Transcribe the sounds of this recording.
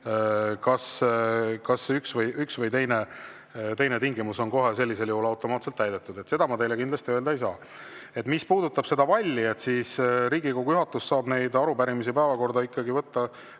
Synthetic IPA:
kɑs | kɑsyksvɤjʔyksvɤjt̪e̞jne̞ | t̪e̞jne̞t̪iŋɡimuso̞nko̞ɦe̞se̞lʲːise̞ljuhulɑwt̪ːˑo̞mɑːt̪se̞lt̪ːæjd̪e̞t̪ːˑud̪̥e̞t̪se̞d̪ɑmɑt̪e̞jle̞kind̪lɑst̪iøld̪ɑejsɑː | e̞t̪ːˑmispuːd̪ut̪ːˑɑb̥se̞d̪ɑvɑlʲːie̞t̪siːsɾiːɡikoɡujuɦɑt̪ːˑussɑːbne̞jd̪ɑɾubæɾimisipævɑko̞rd̪ɑikˑːɑɡivɤt̪ːɑ

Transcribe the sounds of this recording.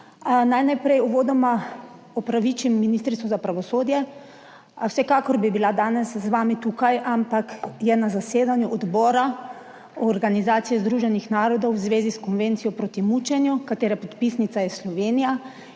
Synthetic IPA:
najnajpɾɛjuʋoːd̪ɔma | ɔpɾaʋit͡ʃimːiniːst̪ɾit̪ʋɔzapɾaʋɔsoːd̪jɛ | wsɛkakɔɾbibilad̪aːnɛszʋaːmit̪ukajʔampakjɛnazaseːd̪anjuʔɔd̪bɔːɾa | ɔɾɡanizaːt̪sijɛzd̪ɾuːʒɛnixnaːɾɔd̪ɔwzʋeːziskɔnʋeːnt̪sijɔpɾot̪imut͡ʃɛnjukat̪eːɾɛpɔt̪pisnit̪sajɛslɔʋeːnija

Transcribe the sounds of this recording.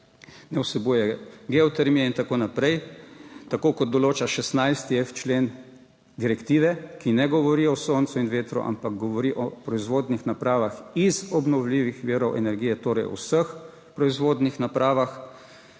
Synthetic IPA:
nɛwsɛbujɛɡeɔt̪ɛɾmiɛint̪akoːnapɾɛjt̪akoːkɔd̪̚d̪ɔloːt͡ʃaʃɛsnajst̪iɛft͡ʃleːn | d̪iɾɛkt̪iːʋɛkinɛɡɔʋɔɾiɔsoːnt̪suinʋeːt̪ɾṵʔa̰mpaɡ̚ɡɔʋɔɾiʔɔpɾɔizʋoːd̪nixnapɾaːʋaxizɔbnɔwliʋixʋiːɾɔwʔɛnɛɾɡiːjɛt̪oːɾɛjɔ̰wsəx | pɾɔizʋoːd̪nixnapɾaːʋax

